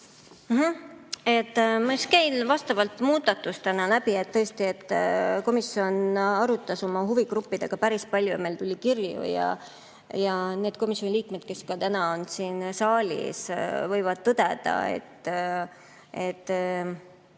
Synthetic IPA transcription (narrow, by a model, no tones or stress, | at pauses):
m̩ɦme̞t̪ːˑmɑskejnvɑst̪ɑvɑlt̪muːd̪̥ɑt̪ːust̪ænɑlæbie̞t̪t̪ːɤest̪ie̞t̪ːˑko̞misːio̞nɑɾut̪ːˑɑso̞mɑɦuviɡɾupːid̪̥eɡ̥ɑpæɾispɑlʲjujmelt̪ulʲikirjṵjɑ̰ | jɑneːd̪̚ko̞misʲonʲiliːkme̞d̪̚ke̞skɑt̪ænɑo̞nsiːnsɑːlʲḭsvɤjvɑd̪̥̚t̪ɤd̪e̞d̪̥ɑ̰ḛt̪ː | et̪ːˑ